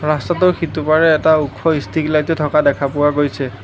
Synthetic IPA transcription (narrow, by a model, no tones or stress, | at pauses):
ɹastatʊɹxitupaɹɛːtaukʰːɔistʰiklajtɔtʰɔkadɛkʰapʊwaɡojsɛ